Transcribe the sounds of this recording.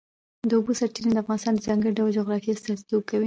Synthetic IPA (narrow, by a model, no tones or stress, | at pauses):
d̪əobosaɾʈiɾned̪əafɣɑnɪst̪ɑnd̪əzɑŋɡəɽiɖawld͡ʒoɣɾɑfijast̪azt̪okawi